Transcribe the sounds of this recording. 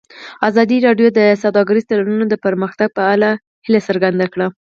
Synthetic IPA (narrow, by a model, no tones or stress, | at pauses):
azɑd̪iɾɑɖjod̪əsawd̪ɑɡaɾizt̪alanunod̪əpəɾməxt̪aɡ̚pəala | hilasəɾɡand̪akɽa